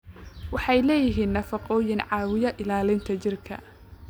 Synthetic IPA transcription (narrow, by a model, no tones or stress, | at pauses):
wɑħɑjlɛːjɪɦiːnːɐfɑqɔːjɪnʕɑːwɪjɐʔɪlaːlɪnt̪ʰɐt͡ʃɪrkʰɐ̰